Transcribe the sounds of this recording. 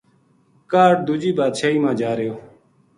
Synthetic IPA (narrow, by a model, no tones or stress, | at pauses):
kaːʈ̚d̪ud͡ʒiːbaːd̪ʃʰaːiːmãːd͡ʒaːɾjoː